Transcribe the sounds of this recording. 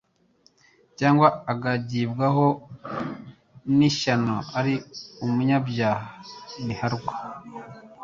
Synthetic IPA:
caːŋɡwaaɡaɟibɡaho | niʃanoaɾiumuɲabjaːhanihaɾuɡḁ

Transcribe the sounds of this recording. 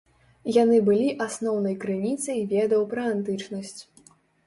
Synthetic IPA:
janɨbɨlʲiʔasnɔwnɐjkɾɨnʲit̪sɐjvʲɛd̪ɐwpɾɐant̪ɨt͡ʂnɐsʲt͡sʲ

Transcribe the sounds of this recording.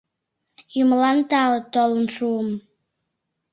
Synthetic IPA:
jumlɑnt̪ɑət̪olənʃuəm

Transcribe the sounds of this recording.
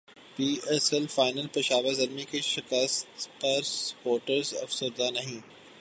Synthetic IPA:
piːɛsɛlfaːɪnəlpɐʃaːʋəɾzɐɾmikeʃɪkəst̪pɐɾspoːɾʈəɾzɐ̰fsʊɾd̪anɐɦĩː

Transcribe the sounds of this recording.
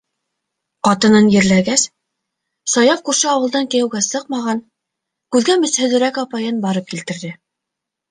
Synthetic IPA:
qɑt̪ɤ̆nɤnjɘ̆ɾlæɡæs | sɑjɑfkuɾʃɘɑwɤ̆lˠd̪ɑŋkɘ̆jæ̆wɡæsɤq̚mɑʁɑn | kʉðɡæmɘ̆shɵ̆ðɘ̆ɾækɑpɑjɤnbɑɾɤp̚kilt̪ɘ̆ɾðɘ

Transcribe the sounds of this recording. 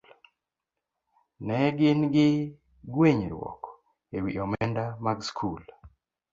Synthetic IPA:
nɛɡɪnɡɪ | ɡweɲɾwɔ̰kɔ | ewiɔmɛndamaɡskʰul

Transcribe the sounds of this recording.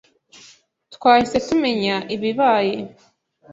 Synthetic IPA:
tkwaːhise̞tume̞ɲaʔiβiβaːje

